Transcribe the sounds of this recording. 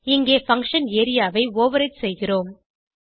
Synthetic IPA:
ɪŋɡeːfɐŋkʂɐneːɾɪjaːʋɐɪoːʋɐɾɐɪtsɛjɣɪroːm

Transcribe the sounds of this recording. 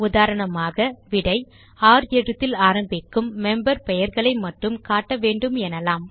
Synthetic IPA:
ʊðaːɾɐɳɐmaːɣɐʋɪɽɐɪ | aːɾɛɽɯt̪ːɪlaːɾɐmbɪkːɯmːɛmbɐɾpɛjɐɾɣɐɭɐɪmɐʈrɯmkaːʈːɐʋeːɳɖɯmɛnɐlaːm

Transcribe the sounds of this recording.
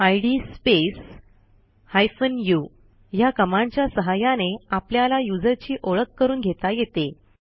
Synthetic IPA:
ajɽiːspes | hajfənju | jakəmãɲt͡ɕjasəɦajaneapljalajud͡zəɾt͡ɕiːʔoɭəkːəɾuːnɡʱet̪ajet̪e

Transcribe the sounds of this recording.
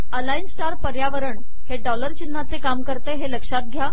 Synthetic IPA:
əlainsʈaɾpəɾjaʋəɾəɳ | heɖɔləɾt͡ɕinːat͡sekamkəɾt̪eɦeləkʂat̪̚ɡʱja

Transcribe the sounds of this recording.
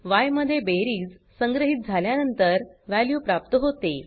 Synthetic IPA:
ʋajməd̪ʱːjebeɾiːd͡z | səŋɡɾəɦiːt̪̚d͡zʱaljanənt̪əɾʋæljuːpɾap̚t̪əɦot̪e

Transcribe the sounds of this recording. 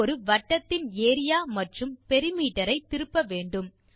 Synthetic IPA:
ɾɯʋɐʈːɐt̪ːɪneːɾɪjaːmɐʈrɯmpɛɾɪmiːʈːɐɾɐɪt̪ːɪɾɯpːɐʋeːɳɖɯm

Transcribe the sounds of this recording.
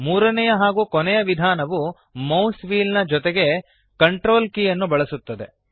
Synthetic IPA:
muːɾɐnɛjɐɦaːɡuːkɔnɛjɐʋid̪ʱaːnɐʋu | mɐwsʋiːlnɐd͡ʒɔt̪eɡe̞ | kɐɳʈɾo̞ːlkijɐnːubɐɭɐsut̪ːɐd̪e̞

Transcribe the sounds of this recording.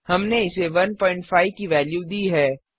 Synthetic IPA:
hɐmneɪseʋɐnpɔːɪ̃ɳʈfʰaːɪʋkiʋɛːljud̪iːɦɛː

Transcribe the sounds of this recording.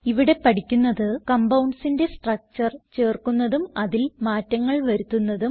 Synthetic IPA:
iʋiɽe̞pɐʈikʲːunːɐðɨkɐmbɐwɳɖsinde̞sʈrɐk̚t͡ɕɐrt͡ɕeːrkunːɐðumɐðilmaːtːɐŋːɐɭʋɐɾut̪ːunːɐðum

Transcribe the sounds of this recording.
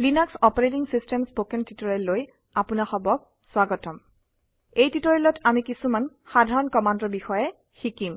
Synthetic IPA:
linɔksɔpɔɹetiŋsistɛmspokɛntitoɹelːoj | apʊnaxɔbɔk̚ | swaɡɔtɔm | ejtitɔɹɛlɔtamikisuman | xadʱaɹɔnkɔmandɔbixɔjɛ | xikim

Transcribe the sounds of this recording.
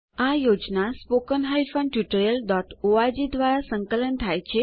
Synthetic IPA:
ajod͡ʑnaspokənɦajfəɳʈjuʈəɾjəlɖɔʈoad͡ʑid̪ʋaɾasəŋkələnt̪ʰajt͡ɕʰe

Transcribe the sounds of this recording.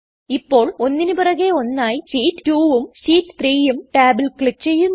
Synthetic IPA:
ipːo̞ːɭo̞nːinupɐrɐɣeo̞nːaːjiɕiːtːtuːʋumɕiːtːɨ̥t̪riːjumʈaːbilkɭit͡ɕejːunː

